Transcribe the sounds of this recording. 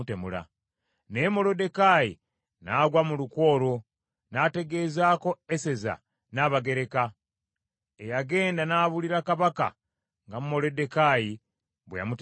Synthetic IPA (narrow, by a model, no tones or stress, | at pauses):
temula̰ | nemo̞lo̞de̞kajḭ | naɡwamulukwo̞ːɾo̞ | nate̞ɡe̞ːzaːko̞ese̞za̰ | naːβaɡe̞ɾe̞ka | ejaɡe̞ːndanaβuliɾakaβaka̰ | ŋɡamumo̞lode̞kaji | βweja̰mut